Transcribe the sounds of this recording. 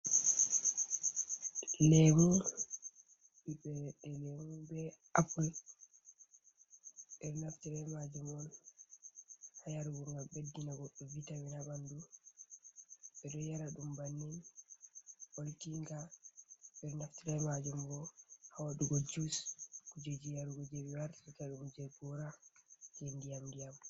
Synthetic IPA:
lɛmu | bibɛɛlɛmubɛʔapul | ɓɛɾɔnaftiɾɛmad͡ʒumɔn | hajaɾuɡɔŋɡalbedːinaɡɔɗːɔvitamɛnabandu | ɓɛɗɔjaɾaɗumbanːin | ʔoltiŋɡa | ɓɛɗnaftiɾamad͡ʒumbɔhawaɗuɡɔd͡ʒuskud͡ʒed͡ʒijaɾuɡɔd͡ʒebiwaɾtikaɗumd͡ʒeɡɔɾad͡ʒindijamdijam

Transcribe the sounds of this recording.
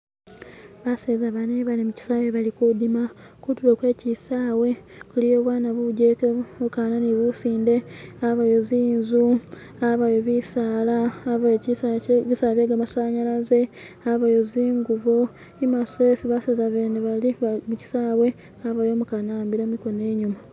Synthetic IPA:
βasezaβaneβanemuci̥sajeβalikudima | kutulokwe̞ːcisaːwe̞ | kulijo̞ːβwaːnaβuɟekemukananiβusiːnde̞aβajoziːnzu | aβajoβisaːlaːβajocisaβisaβeːɡamasaɲalaze̞ | aβajoziːŋɡuβo | imasesiβasezaβeːneβalimuci̥sawe̞ | aβajo̞ːmukanaːmbiɾomiko̞ne̞ːɲuma

